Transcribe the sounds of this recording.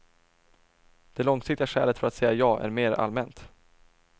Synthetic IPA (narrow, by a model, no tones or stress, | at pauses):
d̪̥ɛlɔŋsɪk̚t̪ɪɡaɧɛːlət̪fœɾat̪sɛjːajɑːʔæ̰ɾmeːɾa̰lmɛnt̪